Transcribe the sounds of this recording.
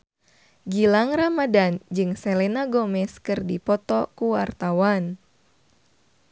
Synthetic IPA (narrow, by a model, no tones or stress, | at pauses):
ɡilaŋramadand͡ʒɨŋsɛlɛnaɡɔmɛskɨrdipɔt̪ɔkuwart̪awan